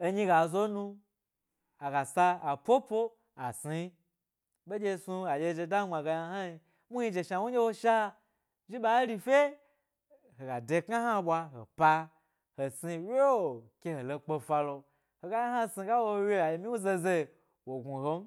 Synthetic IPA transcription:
e˧ɲĩ˦˧ɡa˨zo˦nu˧ | a˨ɡa˨sa˧a˨pʷo˦po˦ | a˨si˧˦ | ɓe˦d͡ʒʲe˧su˧a˨d͡ʒʲe˧d͡ʒe˧da˦ŋ͡ma˨ɡa˧ja˧ha˦i˧ | mu˦i˧d͡ʒe˧ʃa˧˨wo˦d͡ʒʲe˦wo˧ʃa˦ | ʒi˦ɓa˨˦ɾi˧fʲe˦ | ho˨ɡa˨de˧kŋa˦ha˦ɓʷwa˧ɦo̰˨pa˧ | ho˨si˧we˦o˨kʲe˧ho˨lo˧k͡po˧fa˧lo˧ | ho˨ɡa˧˦ja˦ha˦si˧ɡa˦wo˧we˦a˨ji˨mĩ˦wu˦ze˧ze˧˨ | wo˨ɡu˨ɦo˦m˦

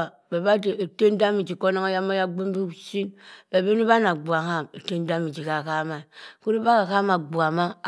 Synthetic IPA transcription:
be˨ba˦de˨i˨te˦n˦da˦mi˨d͡ʒi˨ko˦na˦ŋa˦ja˦ma˦ja˦ɡ͡bu˦mbi˦u˨˦ʃi˦nb̥e˨be˦ni˦ba˦na˨ɡ͡bu˨a˨ɦa˦˨mi˨te˦n˦da˦mi˨d͡ʒi˨ka˨ka˦ma˨i˨ku˦ɾi˦ba˦ka˨ka˦ma˨ɡ͡bu˨a˨ma˦˨

